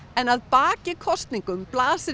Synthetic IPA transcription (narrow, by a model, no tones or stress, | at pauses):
ɛnaðpaːcɪkʰɔst̪niŋkʏmplaːsɪ